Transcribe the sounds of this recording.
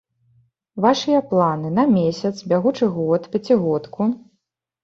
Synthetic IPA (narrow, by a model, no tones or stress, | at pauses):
vaʂɨjɐplˠanɨnɐmʲesʲɐt̪sbʲaɣut͡ʂɨɣɔt̪pʲat͡sʲiɣɔt̪kʰu